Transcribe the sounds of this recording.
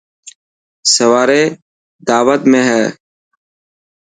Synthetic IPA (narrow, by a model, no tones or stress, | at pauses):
səʋaːɾeː | d̪aːʋət̪mẽːɦɛː